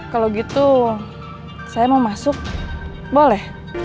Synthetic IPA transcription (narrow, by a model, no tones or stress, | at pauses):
kaloɡit̪u | sajamaumasʊk̚ | bolɛh